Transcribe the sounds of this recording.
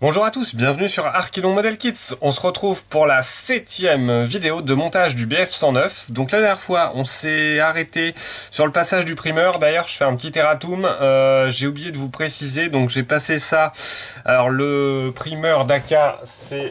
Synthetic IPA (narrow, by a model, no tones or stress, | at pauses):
b̥ɔ̃ʒuʁat̪usbjɛ̃vənysyʁaʁkʲinɔ̃mɔd̪ɛlkʲit̪sɔ̃səʁət̪χuvpuʁlasɛt̪jɛmvid̪eod̪əmɔ̃t̪aʒd̪ybeɛfsɑ̃nœfd̪ɔ̃klad̪ɛʁnjɛʁfwaʔɔ̃sɛaʁet̪esyʁləpasaʒd̪ypχimœʁd̪ajœʁʒ̥əfɛɛ̃pət̪it̪eʁat̪umøʒeublijed̪əvupχesized̪ɔ̃kʒepasesa | a̰lɔʁləpχimœʁd̪akʲa | sɛ